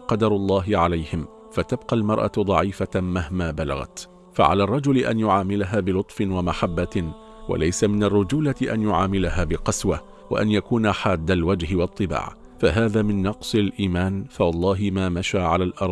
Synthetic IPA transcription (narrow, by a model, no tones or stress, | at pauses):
qɑd̪ɑɾˤʊlˤːɑːɦɪʕalajhɪm | fat̪abqɑlmɑɾˤʔa̰d̪ˤɑʕiːfamahmaːbala̰ɣa̰t̪ | fa̰ʕa̰laːrˤːɑd͡ʒʊlɪʔa̰njʊʕaːmɪlaɦaːbɪlʊt̪ˤfɪwamaħabːa | wa̰lajsamɪnarːʊd͡ʒuːlat̪ɪʔa̰njʊʕaːmɪlaɦaːbɪqɑswa | wa̰ʔanjakuːnaħaːd̪ːalwad͡ʒhɪwɑt̪ˤːɨba̰ːʕ | faɦaːðaːmɪnːɑqsˤɪlʔiːmaːnfawɑlˤːɑːɦɪmaːmaʃaːʕalaːlʔɑɾˤ